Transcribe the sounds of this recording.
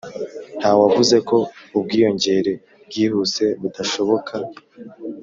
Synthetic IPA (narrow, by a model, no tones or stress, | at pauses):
n̥haːwavuze̞ko̞ub̚ɡiːjo̞ɲɟe̞ɾe̞ | bɡiːhuse̞βudaʃo̞βo̞kʰa